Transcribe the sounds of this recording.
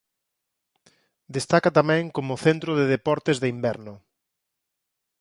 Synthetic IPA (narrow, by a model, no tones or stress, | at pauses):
d̪est̪akat̪amɛ̃ŋkomʊθent̪ɾʊðeðepɔɾt̪ezðeimbɛɾnʊ